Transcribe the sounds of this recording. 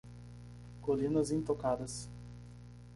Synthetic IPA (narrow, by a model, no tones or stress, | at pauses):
kolĩnɐzĩt̪okad̪ɐs